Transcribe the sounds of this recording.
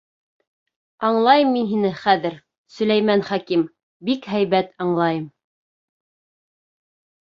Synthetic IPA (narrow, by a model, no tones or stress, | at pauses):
ɑɴlˠɑjɤmːinɦinɘχæðɘɾ | sɵ̆læjmænχɑkim | bikɦæjβæt̪ɑɴlˠɑjɤm